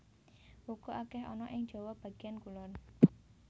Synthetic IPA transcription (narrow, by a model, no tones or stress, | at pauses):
wukoʔakɛɦɔnɔʔɪŋ̥d͡ʒ̥ɔwahb̥a̤ɡ̥iankulɔn